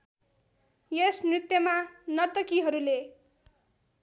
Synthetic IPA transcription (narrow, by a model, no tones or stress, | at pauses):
jesmrit̪jʌmanʌrt̪ʌkiɦʌɾule